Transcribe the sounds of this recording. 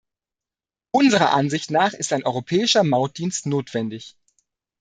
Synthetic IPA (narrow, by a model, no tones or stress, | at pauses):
ʔʊnzəʁ̞ɐʔanzɪçtnaːχɪstaɪnʔɔʏʁopʰɛːɪʃɐmaʊt̚d̥iːnstnoːtv̥ɛndɪç